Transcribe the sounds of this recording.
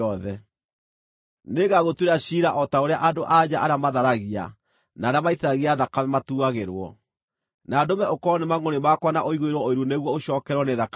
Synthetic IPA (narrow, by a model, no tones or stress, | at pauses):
ɔðɛ | neɣaɣotweɾaɕiɾaʔɔtaoɾeaʔadoʔad͡ʑaʔaɾeamaðaɾaɣia̰ | naːɾeamaiθɾaɣiaðakamimatuaɣeɾwɔ̰ | naːdomɛʔokɔnemaŋonemakwanaʔoiɣweɾwɔoiɾuneɣwɔoɕɔːkɛɾwɔneðak